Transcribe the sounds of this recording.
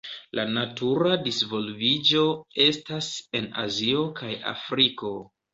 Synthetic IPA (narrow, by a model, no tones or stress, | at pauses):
lʔanatuɾadisvo̞lvid͡ʒo̞e̞stase̞na̰zio̞kʰaja̰fɾiko̞